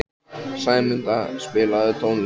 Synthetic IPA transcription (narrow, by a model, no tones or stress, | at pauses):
saːjmʏnt̪aspɪːlaðʏt̪ʰownl